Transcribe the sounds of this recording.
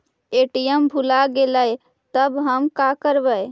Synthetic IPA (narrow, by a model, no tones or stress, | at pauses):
eʈijəmbʱulaɡeləj | t̪əbɦəmkakəɾbəj